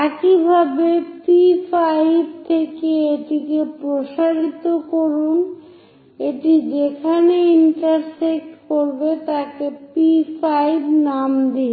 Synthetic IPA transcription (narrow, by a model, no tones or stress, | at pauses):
ɛkibʱabepifajb̚t̪ʰekeeʈikepɾoʃaɾit̪okoɾun | eʈid͡ʑekʰaneiɳʈaɾsek̚ʈkoɾbet̪akepifajbnamd̪i